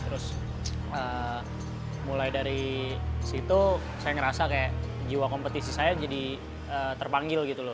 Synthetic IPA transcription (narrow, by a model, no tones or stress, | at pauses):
t̪əɾʊs | ə | mulajdaɾisit̪u | sajaŋəɾasakajaʔd͡ʒiwakompət̪isisajad͡ʒadi | əːt̪ərpaŋɡɪlɡit̪ulʊ